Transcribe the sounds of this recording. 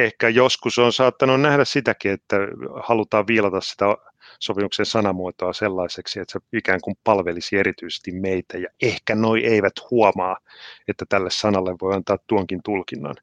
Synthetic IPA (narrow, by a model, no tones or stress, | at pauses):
ehkæjoskusoːnsɑːt̪ːɑnunnæhdæssit̪ækiet̪ːæhɑlut̪ɑːʋʋiːlɑt̪ɑssi̥t̪æ | sopimuksensɑnɑmuot̪oɑselːɑiseksiet̪seikæːŋkumpɑlʋelisieɾit̪yise̥st̪immeit̪æjɑehkænoiʔeiʋæt̪huomɑːet̪ːæt̪ælːessɑnɑlːeʋʋoiɑnt̪ɑːt̪t̪ːuoŋkint̪ulkinːɑ̰n